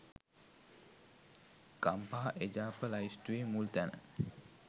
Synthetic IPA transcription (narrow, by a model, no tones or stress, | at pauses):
kampaːʔed͡ʒaːpəlaist̪uʋemult̪ænə̰